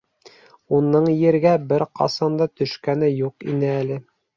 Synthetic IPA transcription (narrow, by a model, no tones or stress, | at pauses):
unːɤɴjɘ̆ɾɡæbɘɾqʰɑ̰sɑnd̪ɑt̪ɵ̆ʃkænɘjuqḭnɘælɘ